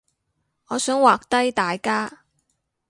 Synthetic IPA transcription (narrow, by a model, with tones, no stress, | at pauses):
ŋɔː˨˧sœː˨˥ŋwaː˨k̚t̪ɐ˥jt̪aː˨jkaː˥